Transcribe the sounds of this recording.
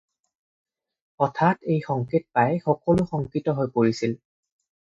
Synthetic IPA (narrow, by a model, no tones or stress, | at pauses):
ɔtʰatejxɔŋkit̚pajxɔkɔlʊxɔŋkitɔɦojpoɹisil